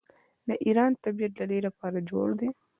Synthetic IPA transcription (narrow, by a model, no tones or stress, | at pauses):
d̪əʔiɾɑnt̪abijat̪̚lalejlapɑɾad͡ʒo̰ɽd̪e